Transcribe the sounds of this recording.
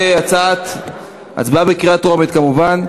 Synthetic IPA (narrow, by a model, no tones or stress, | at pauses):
eat͡sat̪ | ʔa̰zbabekiʁat̪ʁomet̪kamuvan